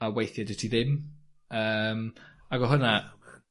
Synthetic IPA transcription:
awejθjadɪtʰiðɪm | əːmaɡɔɦʊna

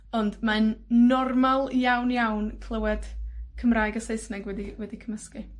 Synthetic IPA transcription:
ɔndmanːɔrmalˠjawnjawnkʰl̥ˠəwɛd̥kʰəmraːjɡəsejsnɛɡwɛdiwɛdikʰəməski

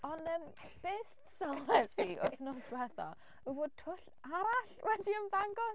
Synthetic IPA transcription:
ɔnəːm | b̥eːstsɔlˠɛsiʔʊθnɔswɛðɔ̰ | əvoːd̚tʰʊɬ | aɾaɬwɛdiənvaŋɡɔ

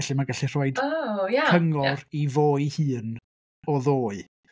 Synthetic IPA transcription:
ɛɬimaɡaɬir̥oːɨdjaəŋɔrivoːɨhɨːn | ɔðoːɨ

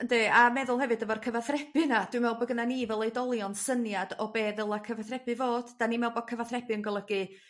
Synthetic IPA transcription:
ndeːamɛðʊlˠhɛvɨdəvɔrkʰəvaθrɛb̥ɨnad̥wɨmɛwlˠbɔɡənanivɛlˠejdɔlˠjɔnsənjadɔbeːðəlˠakʰəvaθrɛbɨvoːd̥d̥animɛlˠbɔd̚kʰəvaθrɛbɨənɡɔlˠəɡɨ

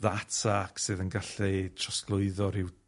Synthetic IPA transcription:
ðatʰakʰsɨðənɡaɬitʰrɔsklˠʊɨðɔɾɪw

